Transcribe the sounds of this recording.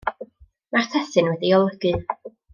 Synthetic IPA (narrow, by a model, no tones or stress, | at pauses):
martʰɛθɨnwɛdiɔlˠəɡ̥ɨ